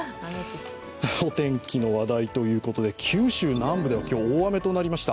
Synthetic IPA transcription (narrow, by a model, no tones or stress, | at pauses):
o̞t̪ẽ̞ŋkʲino̞βad̪ait̪o̞jɯ̟ːko̞t̪o̞d̪e̞kʲʰɨːɕɨːnãmbɯ̟d̪e̞akʲo̞ːβame̞t̪o̞naɾʲimaɕi̥t̪a